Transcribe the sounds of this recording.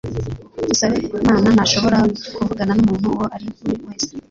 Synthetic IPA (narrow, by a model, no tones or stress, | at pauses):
dusaβemaːnanaʃo̞βo̞ɾakuvuɡananumuːnhuwoʔaɾikuiwe̞ːze̥